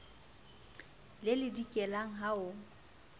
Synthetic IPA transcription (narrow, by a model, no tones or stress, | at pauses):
lɪlɪdikʼɛlaŋ̩ɦaʊ